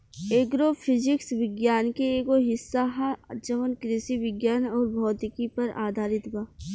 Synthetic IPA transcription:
eːɡɾoːpʰɪd͡ʒɪksʋɪɡjaːnkeeːɡoɦɪsːaɦad͡ʒɐʋənkɾɪsiʋɪɡjaːnɔːɾbʱɔːt̪ɪkipɐɾa̰ːd̪ʱaːɾɪt̪baː

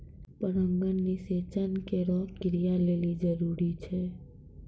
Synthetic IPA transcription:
pəɾəŋɡənːiset͡ʃənkeɾɔkɪɾijalelid͡ʒəɾuɾit͡ʃʰe

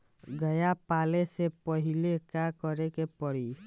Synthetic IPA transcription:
ɡəjapaːlesepəɦɪlekakəɾekepəɽi

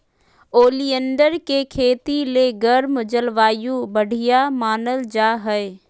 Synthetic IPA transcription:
oːliənɖəɾkekʰeːt̪ileːɡɐɾmd͡ʒəlʋaːjũbɐɽ̤ʱijamaːnəld͡ʒaːɦəe

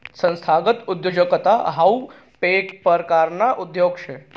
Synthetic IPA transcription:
sə̃nst̪ʰaɡət̪ud̪jod͡ʒəkət̪aɦau | pekpəɾkaɾnaʔud̪joːɡʃʰe

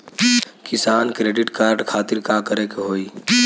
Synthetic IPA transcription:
kɪsaːnkɾeːɖɪʈkaːɾɖkʰaːt̪ɪɾkakəɾekeɦoːi

